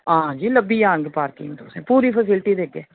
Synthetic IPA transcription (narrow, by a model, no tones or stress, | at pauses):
ãːd͡ʒiːləbiːjãːnɡepaːɾkḭːnt̪osẽːpuːɾiːpʰəsɪlʈiːd̪eːɡeː